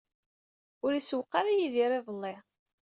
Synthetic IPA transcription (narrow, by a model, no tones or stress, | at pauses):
ʊɾiswqːɑɾajiðiɾˤeðˤəlːɪ